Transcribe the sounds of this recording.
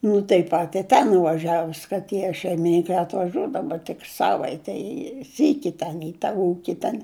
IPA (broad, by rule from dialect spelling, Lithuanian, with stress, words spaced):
nʊ tɐɪp ˈpɐt ɪ ˈtʲɛn nʊʋɐˈʒʲæːʋʊs kɐ ˈtʲiɛ ʃʲɛɪmʲɪˈnʲɪŋkɐɪ ɐtʋɐˈʒʲuɔdɐʋʊ tʲɪk ˈsɑːʋɐɪtʲɛɪ ɪ ˈsʲiːkʲɪ ˈtʲɛn ɪ tɐ ˈuːkʲɪ tʲɛn